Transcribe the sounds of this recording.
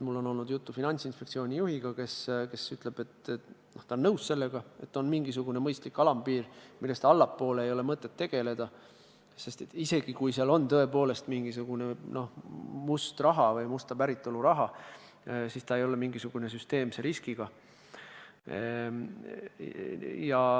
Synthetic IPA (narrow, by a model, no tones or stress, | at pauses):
mulːo̞nolnud̪̥jut̪ːufinɑnʲsinspe̞ktsio̞ːnʲijuɦiɡ̥ɑke̞ske̞syt̪ˑle̞b̥e̞t̪noht̪ɑonːɤwsse̞lːeɡ̥ɑe̞t̪ːˑo̞nmiŋɡisuɡ̥une̞mɤjst̪likːɑlɑmpiːrmilːe̞st̪ɑɑlːɑpːo̞ːleeːjo̞le̞mɤt̪ːˑe̞t̪ːe̞ɡ̥e̞le̞d̪̥ɑ | se̞st̪et̪ːise̞ɡ̥ikujseɑlo̞nt̪ɤ̞epo̞ːle̞st̪miŋɡ̥is̬uɡ̥une̞no̞hmust̪rɑɦɑvɤjmust̪ɑpæɾit̪ːˑo̞luɾɑɦɑ | sist̪ɑe̞jo̞lemiŋɡisuɡ̥une̞s̬yst̪e̞ːmseɾiskiɡ̥ɑ | jɑ